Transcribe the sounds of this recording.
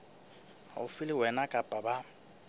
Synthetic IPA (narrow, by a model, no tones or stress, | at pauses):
a̰ʊfɪlɪwɛnakʼapʼaba